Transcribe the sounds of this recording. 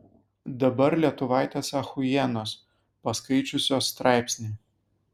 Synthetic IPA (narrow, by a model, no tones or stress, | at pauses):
d̪ɐbɐɾlʲiɛt̪ʊʋɑˑɪt̪ʲeːsɐxʊjɛnoːs | pɐskɐɪt͡ʃʲʊsʲoːsːt̪ɾɑˑɪpʲsʲnʲeː